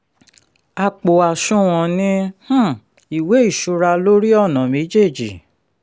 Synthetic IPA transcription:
a˧k͡po˨a˨ʃũ˦w̃ɔ̃˧nĩ˦h̩˦ | i˨we˨˦i˦˨ʃu˧ɾa˧lo˦ɾi˦ɔ˦˨nã˨me˨˦d͡ʒe˦˨d͡ʒi˨

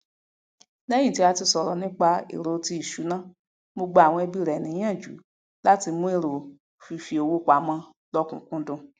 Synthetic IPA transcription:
nɛ̃˦ĩ˦˨ti˨˦a˧ti˧sɔ˨ɾɔ˨nĩ˦k͡pa˧ḛ˨ɾo˨˦ti˧i˨ʃu˨˦nã˦ | bo˧ɡ͡bo˧˦a˨w̃ɔ̃˧e˧bi˦˨ɾɛ˨nĩ˨˦ã˦˨d͡ʒṵ˨˦ | la˦ti˧mũ˦e˦˨ɾo˨ | fi˧fi˧o˧wo˦kʷa˨˦mã˧˦ | lɔ˦kũ˨kũ˦dũ˧

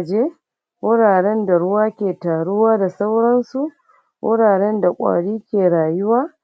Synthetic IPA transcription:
d͡ʒeː˦ | wʔʊ˦ɽaː˨ɽɛ˦nda˨ɽʊ˦waː˦kʲeː˨taː˨ɽʊ˦waː˦da˨sa˦wɽɐ˦nsu˨ʔ | wʔʊ̰˦ɽaː˨ɽɛ˦nda˨kʷʼa̰ː˨ɽiː˦kʲeː˨ɽaː˨jʊ˦waː˦

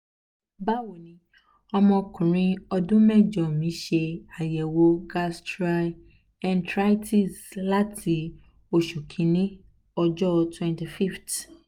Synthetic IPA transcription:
ba˦wo˨nĩ˦ | ɔ˧mɔ̃˧kũ˨ɾ̃ĩ˦ɔ˧dũ˦mɛ̃˦˨d͡ʒɔ˨mĩ˨˦ʃe˧a˨jɛ˨wo˦ɡa˦stɾa˦ | ɛ˨ntɾa˦i˦tʰi˦˨sla˦tʰi˧ | o˨ʃu˨kʰĩ˨nĩ˦ | ɔ˧d͡ʒɔ˦˧twɛ̃˨nti˨fi˦ft

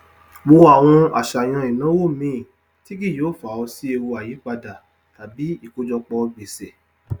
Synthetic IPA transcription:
mo˧˦a˨w̃ɔ̃˧a̰˨ʃa˨j̃ã˧i˨nã˨˦wo˦˨mĩ˦˨ | ti˦ɡi˦˨joː˨˦˨fa˨ɔ˧si˦e˧wo˧a˨ji˨˦k͡pa˧da˨ | ta˨bi˨˦i˦˨ko˧d͡ʒɔ˧k͡pɔ˧ɡ͡be˨sɛ˨

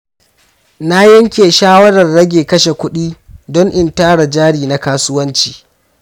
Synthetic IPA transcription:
na˦jɐ˦ŋkʲeː˨ʃaː˦wɐ˦ɽɐ˨rːɐ˦ɡʲeː˨kɐ˦ʃe˨kʷʊ˦ɗiː˦dɔ˦ŋʔɪ˨ntaː˦ɽa˨d͡ʒaː˦ɽiː˨na˦kaː˦sʊ˦wɐ˦nt͡ʃi̥ː˨

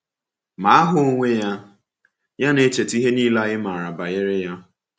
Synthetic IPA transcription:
ma˨a˦ɦʊ˦o˦ŋʷe˦ja˦ | ja˦ne˦t͡ʃe˨ti˦ɦe˦niː˦la˦ɣɪ˦ma˨ɾa˨ba˨ɣɪ˦ɾɪ˦ja˦

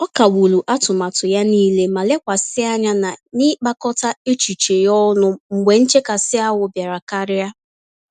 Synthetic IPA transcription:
ɔ˦ka˨wu˨lu˨ʔa˦tʊ˨ma˨tʊ˨ja˦niː˦le˦ma˨le˦kʷa˨sɪ˦a˦ɲa˦na˨ni˦k͡pa˦kɔ˦ta˦e˦t͡ʃu˨t͡ʃe˨jɔ˦nʊ˦ŋ͡m̩˨ɡ͡bʷe˨n̩˦t͡ʃe˦ka˨sɪ˦a˦wʊ˨bja˨ɾa˨ka˦ɾɪ˦a˦

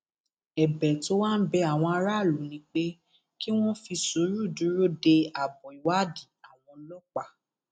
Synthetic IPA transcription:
ɛ˨bɛ˨to˦wa˦˨n̩˦bɛ˧a˨w̃ɔ̃˧a˧ɾa˦˨lu˨˦nĩ˨˧˦k͡pe˦ | ki˦w̃ɔ̃˦fi˧so˨˦ɾu˦˨du˨˦ɾo˦de˧a˨bɔ˨i˨wa˨˦˨di˨a˨w̃ɔ̃˧lɔ˦k͡pa˨

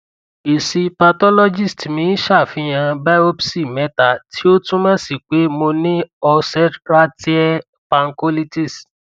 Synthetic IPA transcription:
i˨si˧pa˧tɔ˦lɔ˦d͡ʒi˦˨stmĩ˨˦ʃa˦˨fĩ˧˦j̃ã˧ba˦o˦bsi˦˨mɛ˦ta˨tʰi˦o˦tũ˦mã˦si˦˨k͡pe˨˦mo˧nĩ˦ɔ˧sɛ˦tɾa˦ti˦ɛ˦ | pã˧ŋ˦ko˦li˦ti˦˨s

